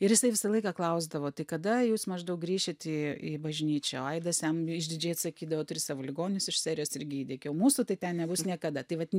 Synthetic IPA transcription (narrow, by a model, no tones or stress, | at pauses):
ɪɾʋʲɪsɐɪʋʲɪsɐlˠɐɪkɑːklˠɐʊzd̪ɐʋoːt̪ɐɪkɐd̪ɐjuːsmɐʒd̪ɐʊk̚ɡɾʲiːʃʲet̪ʲɪibɐʒʲnʲiːt͡ʃʲoɐɪd̪ɐsjɛmɪʒʲd̪ʲɪd͡ʒʲeːt̪sɐkʲiːd̪ɐʋoːt̪ʊɾʲɪsɑːʋoːlʲɪɡoːnʲɪnʲʊsɪʃsʲæːɾʲɪjoːsɪɾʲɡʲɪiːdʲɛkʲɛʊmuːsʊt̪ɐɪt̪ʲɛnnʲɛbʊsnʲiɛkɐd̪ɐt̪ɐɪʋɐt̪ʲ